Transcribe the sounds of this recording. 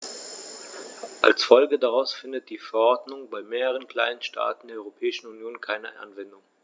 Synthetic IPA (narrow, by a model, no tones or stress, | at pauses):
ʔa̰lsfɔlɡədaʁaʊsfɪndət̚d̥iːfɛɐʔɔɐdnʊŋbaɪmeːʁəʁ̞ənkl̥aɪnənʃtʰa̰ːtn̩deːɐɔʁopʰɛːɪʃn̩unjoːnkʰaɪnəʔa̰nvɛndʊŋ